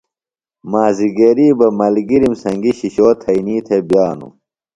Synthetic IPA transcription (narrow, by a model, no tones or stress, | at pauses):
maːziɡeːɾiːbɐmɐlɡiɾimsɐŋɡiɕiɕoːt̪ʰɐiniːt̪ʰebjaːnṵ